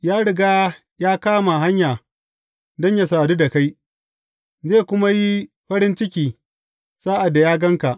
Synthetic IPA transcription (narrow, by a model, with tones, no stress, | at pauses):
jaː˦ɽɪ˨ɡaː˦ | jaː˦kaː˦ma˨ɦa˦ɲjaː˨ | dɔ˦ɲja˨saː˨du˦da˨ka˦j | zeː˦˨kʷʊ˦ma˦ji˦ | ɸɐ˦ɾɪ˦nt͡ʃɪ˦kʲiː˨ | saː˦ʔa˨dːa˨jaː˦ɡɐ˦ŋka˨ʔ